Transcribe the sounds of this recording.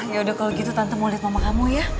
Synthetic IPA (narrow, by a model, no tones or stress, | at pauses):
jaudahkaloɡit̪ut̪ant̪amolit̪̚mamakamuja